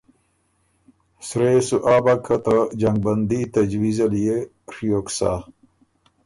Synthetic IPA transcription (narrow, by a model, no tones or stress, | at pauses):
sɾeːsuʔaːbɐkʰɐt̪ɐd͡ʑɐŋɡ̚bɐnd̪it̪ɐd͡ʑwizɐlije | ɾijoːksa̰ː